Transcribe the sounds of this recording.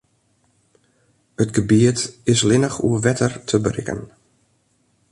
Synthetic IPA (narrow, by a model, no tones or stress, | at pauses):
ətɡəbiətɪslɪnəxṵəʋɛtʰərtʰəbərɪ̰kə̰n